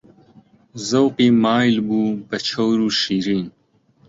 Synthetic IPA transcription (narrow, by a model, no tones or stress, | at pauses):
zɐwpimaːjlbupɐt͡ɕʰowɾuʃiɾiːn